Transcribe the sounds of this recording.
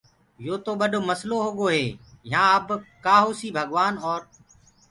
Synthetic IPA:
joːt̪oːɓəɗʱoːməsloːɦoɠoːɦeːjãːəbkaːɦoːsiːbʱəɠʋaːnɔːɾ

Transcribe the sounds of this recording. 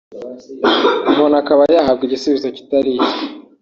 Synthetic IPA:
bonakaβajaɦab̚ɡiɟisuβizoci̥taɾi

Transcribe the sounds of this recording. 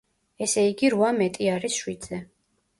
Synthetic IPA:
ɛsɛiɡiɾuvamɛt̪ʼiaɾisʃwid̪z̥ɛ

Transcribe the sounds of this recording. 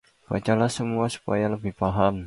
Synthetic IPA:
b̥at͡ʃalahsəmuasu̥pajaləbɪhpaɦam

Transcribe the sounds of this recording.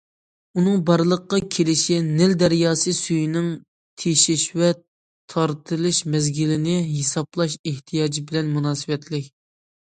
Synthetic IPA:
unɨŋbɑɾlˠəqːɑkʲʰelɪʃinɪld̪ɛɾjɑːsɨsyjinɪŋ | t̪ʰeʃiʃwɛ | t̪ʰɑɾt̪ʰɨlˠɨʃmɛzɡʲilɪnɪɦesɑplˠɑʃeht̪ʰijɑːd͡ʒibɪlɛnmunɑːsɨwɛt̪ʰlɪkʲ

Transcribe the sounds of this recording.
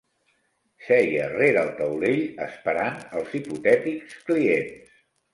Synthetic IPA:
sɛjə̰reɾəlˠt̪əwleʎə̰spəɾanəlˠziput̪ɛt̪ikskliens

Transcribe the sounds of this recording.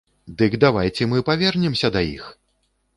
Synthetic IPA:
d̪ɨɡd̪avajt͡sʲɛmɨpavʲɛrnʲɛmsʲɐd̪ajḭx

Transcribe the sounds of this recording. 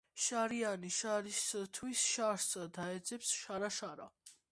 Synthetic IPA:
ʃaɾianiʃaɾist̪ʰwisʃaɾsd̪aɛd̪zɛpsʃaɾaʃaɾa̰

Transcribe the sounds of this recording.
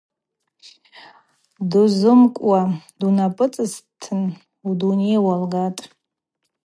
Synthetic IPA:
duzɨmkʷʼwadunapʼɨt͡sʼɨstʰɨn | udunejwalɡatʼ

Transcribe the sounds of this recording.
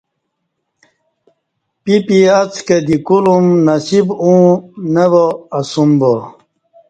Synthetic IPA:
pipiat͡sked̪ikulumnɐsibũneboːsumbo

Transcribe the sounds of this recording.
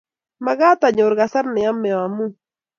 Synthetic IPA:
mɑɢɑt̪aɲoɾɢɑsaɾneamːewamʊ

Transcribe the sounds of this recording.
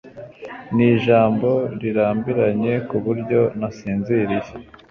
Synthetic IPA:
niːʒaːmbo̞ɾiɾaːmbiɾaɲe̞kuβuɾɟo̞nasiːnziɾije

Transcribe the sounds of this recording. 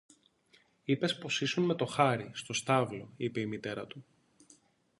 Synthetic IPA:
ipe̞spo̞sisunme̞t̪o̞xɐɾist̪o̞st̪ɐvlo̞ipe̞imit̪e̞ɾɐt̪u

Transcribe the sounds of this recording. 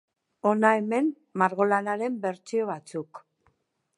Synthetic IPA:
o̞nae̞me̞nː | aɾɣo̞lanaɾe̞mbe̞ɾt͡sio̞β̞at͡suk

